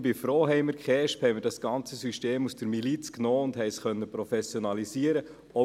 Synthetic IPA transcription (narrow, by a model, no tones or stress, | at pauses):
bɪfɾoːɦɛɪməɾkχɛːʃphɛɪmɪɾdɑsɡ̥ɑnt͡səsyʃteːmusd̥əɾmilit͡sknɔːʊndɦɛɪsχœnːəpɾɔfɛsjɔnɑlisiːəɾə | ɔ